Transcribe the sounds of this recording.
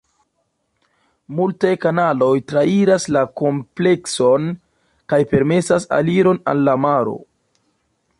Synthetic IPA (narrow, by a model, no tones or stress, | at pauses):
multajkanalo̞jtɾaiɾaslako̞mple̞kso̞n | kajpe̞ɾme̞sasa̰liɾo̞na̰lːamaɾo̞̰